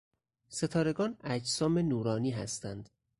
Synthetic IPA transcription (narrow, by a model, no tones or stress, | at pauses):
se̞t̪ʰɒːɾe̞ɡɒːnæd͡ʒsɒːme̞nuːɾɒːniːɦæ̰st̪ænd̪